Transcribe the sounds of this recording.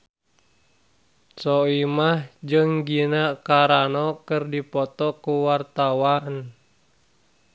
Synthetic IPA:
t͡ʃɔimahd͡ʒɨŋɡinakaɾanɔkɨrdipɔt̪ɔkuwart̪awan

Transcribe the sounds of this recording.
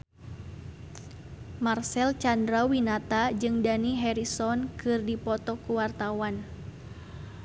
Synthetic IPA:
marsɛlt͡ʃandɾawinat̪ad͡ʒɨŋdaniɦɛɾisɔnkɨrdipɔt̪ɔkuwart̪awan

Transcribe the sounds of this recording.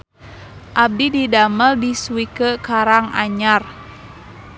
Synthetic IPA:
ʔab̚dididaməldiswikəkaɾaŋa̰ɲar

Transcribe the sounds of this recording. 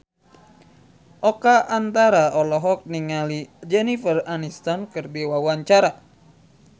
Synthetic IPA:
ʔɔkaʔant̪aɾaɔlɔɦɔk̚niŋalid͡ʒɛnifəranist̪ankɨrbewawaɲt͡ʃaɾa

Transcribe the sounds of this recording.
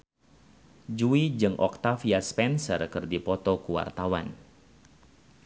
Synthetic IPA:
d͡ʒuid͡ʒɨŋʔɔ̰k̚t̪afiaspɛnsə̰rkɨrdipɔt̪ɔkuwa̰rt̪awa̰n

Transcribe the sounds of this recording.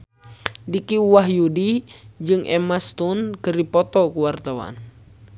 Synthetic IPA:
dikiwaɦjudid͡ʒɨŋʔɛmast̪unkɨrdipɔt̪ɔkuwart̪awa̰n

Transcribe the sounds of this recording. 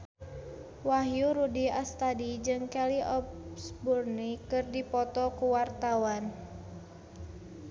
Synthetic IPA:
waɦjuɾudiast̪adid͡ʒɨŋkɛliʔɔpsburnikɨrdipɔt̪ɔkuwart̪awan

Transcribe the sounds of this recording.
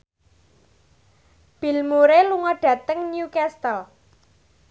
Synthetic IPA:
b̥i̤lmuɾeluŋɔɖ̥ä̤t̪əŋnjukɛst̪əl

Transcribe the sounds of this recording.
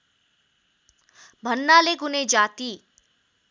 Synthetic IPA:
bʱənːaleɡuned͡ʒaːt̪iː

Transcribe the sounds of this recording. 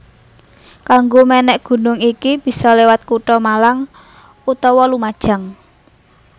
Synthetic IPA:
kaŋɡomenɛʔɡ̥ṳnʊŋikib̥i̤sɔlewat̪̚kuʈɔmalaŋ | ut̪ɔwɔlumad̥ʒ̥a̤ŋ

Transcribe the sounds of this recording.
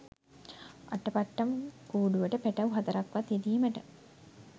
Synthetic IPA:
a̰ʈːəpaʈːamkuːɖuʋəʈəpeʈaʋuɦat̪əɾakʋat̪id̪iːməʈə

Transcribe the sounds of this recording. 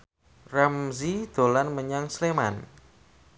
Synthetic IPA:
ramzid̪̥o̤lanməɲaŋslema̰n

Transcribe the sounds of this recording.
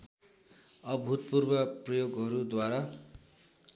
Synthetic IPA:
ʌbʱut̪̚purbʌprʌjoɡʌɾud̪waɾa

